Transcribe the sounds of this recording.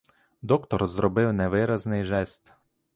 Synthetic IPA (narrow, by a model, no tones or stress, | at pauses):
d̪ɔkt̪ɔɾzɾɔbɪwnɛʋɪɾaznɪʒɛst̪